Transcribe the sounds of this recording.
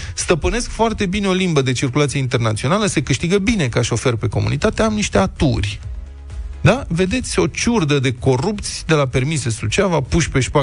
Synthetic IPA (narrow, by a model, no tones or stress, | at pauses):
st̪əpɨne̞skfoart̪e̞bineo̞limbəd̪e̞t͡ʃirkulat̪sijeint̪ernat̪sio̞naləse̞kɨʃt̪iɡəbine̞kaʃo̞fe̞rpe̞ko̞̰mṵnḭt̪at̪eamniʃt̪e̞at̪ṵrʲ | d̪ave̞d̪e̞t̪sʲo̞t͡ʃurd̪əd̪e̞ko̞rupt̪sʲd̪e̞lape̞rmisesut͡ʃʲavapuʃʲpe̞ʃpa